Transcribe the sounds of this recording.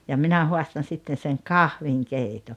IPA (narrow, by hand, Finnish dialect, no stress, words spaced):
jɑ minæ hoɑstɑn̞ sitːen̞ seŋ kɑhʋiŋkeito